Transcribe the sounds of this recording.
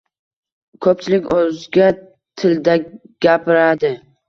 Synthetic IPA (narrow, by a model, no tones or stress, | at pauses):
kʰɵp̚t͡ʃʰɪlɪkʲɵzɡʲa | t̪ʰɪld̪aɡ̥ʲapɪɾad̪ɪ